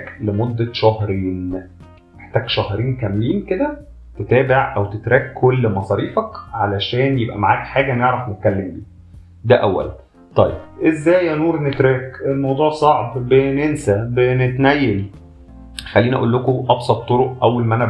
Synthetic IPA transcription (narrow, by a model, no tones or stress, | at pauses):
klemod̪ːæʃɑɦɾiːn | meħt̪æːɡʃɑhɾiːnkæmːiːnked̪æ | t̪et̪æːbeʕʔæwt̪et̪ɾæːkkʰːolːmɑsˤɑːɾiːfækʕalæʃæːnjebʔæ̰maʕaːkħaːɡæʔnjeʕɾæfnet̪̚kælːembḭː | d̪æʔæwːæ̰læ̰n | t̪ˤɑjːḛb̚ʔezːæːjænuːɾˤnet̪ɾæːkelmɑwd̪ˤuːʕsˤɑʕbbenensæbenet̪næjːel | xælːiːniʔæʔuːlːokoʔɑbsˤɑt̪ˤːoɾoʔʔæwːælmæʔænæ